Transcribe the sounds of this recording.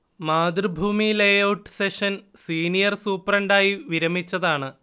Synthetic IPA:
maːd̪rɨbʱuːmilejɐwʈseʂɐnsiːnijɐrsuːpːɐrɐɳɖaːjiʋiɾɐmit͡ɕːɐðaːɳɨ

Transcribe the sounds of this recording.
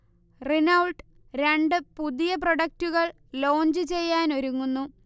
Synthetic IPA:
rinɐwɭʈ | ɾe̞ɳɖɨpuðijɐp̬roɽɐk̚tuɣɐɭ | lo̞ːɲd͡ʑɨt͡ɕe̞jːaːnoɾuŋːunːu

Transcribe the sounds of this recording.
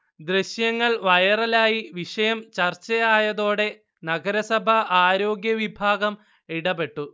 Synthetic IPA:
d̪reɕjɐŋːɐɭʋɐjɐrɐlaːjiʋiʂɐjɐmt͡ɕɐrt͡ɕːɐjaːjɐðo̞ːɽe̞ | nɐɡɐɾɐsɐbʱɐaːɾo̞ːɡjɐʋibʱaːɡɐm | iɽɐbe̞ʈːu

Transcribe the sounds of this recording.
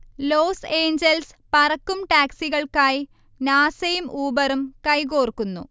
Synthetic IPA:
loːse̞ːɲd͡ʑɐls | pɐrɐkːumʈaːksiɣɐɭkaːji | naːsɐjumʔuːbɐrumkɐjk̬oːrkːunːṵ

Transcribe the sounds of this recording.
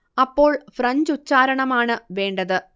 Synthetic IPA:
ɐpːo̞ːɭfrɐɲd͡ʑut͡ɕːaːɾɐɳɐmaːɳɨʋe̞ːɳɖɐðɨ

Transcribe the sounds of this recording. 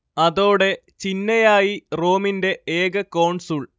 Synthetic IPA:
ɐðo̞ːɽe̞ | t͡ɕinːɐjaːjiro̞ːminde̞eːɡɐkɐwɳsuːɭ

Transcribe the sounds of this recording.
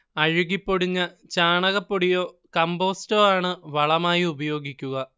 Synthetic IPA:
ɐɻuɣipːoɽiɲːɐ | t͡ɕaːɳɐɣɐpːoɽijo̞ːkɐmbo̞ːstoːaːɳɨʋɐɭɐmaːjiubɐjo̞ːɡikʲːuɣɐ

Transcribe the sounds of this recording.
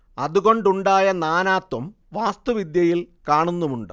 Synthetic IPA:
ɐðuɣo̞ɳɖuɳɖaːjɐnaːnaːt̪wɐm | ʋaːst̪uʋid̪jɐjilkaːɳunːumuɳɖɨ

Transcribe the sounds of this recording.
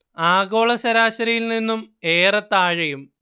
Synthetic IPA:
aːɣo̞ːɭɐsɐɾaːɕɐɾɐjilninːumeːrɐt̪ːaːɻɐjum

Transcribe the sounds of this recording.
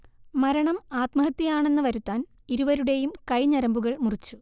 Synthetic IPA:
mɐɾɐɳɐmaːt̪mɐɦɐt̪ːijaːɳe̞nːɨʋɐɾut̪ːaːn | iɾuʋɐɾuɽe̞jumkɐjɲɐɾɐmbuɣɐɭmurit͡ɕːu

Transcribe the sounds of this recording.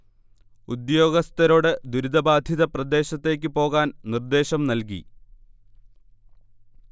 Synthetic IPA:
ud̪jo̞ːɡɐst̪ɐɾo̞ːɽɨd̪uɾid̪ɐbaːd̪ʱjiðɐprɐd̪e̞ːɕɐt̪ːe̞ːk̬ʲːɨpo̞ːɣaːnnird̪e̞ːɕɐmnɐlk̬ḭ

